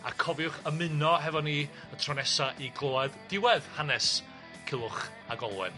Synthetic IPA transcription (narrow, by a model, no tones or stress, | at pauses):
a̰kʰɔvjʊχəmɨnɔɦɛvɔniː | ətʰrɔnɛsaʔiɡlˠoːaðd̥ɪwɛðhanɛs | kʰɪlˠʊχ | aɡɔlˠwɛ̰n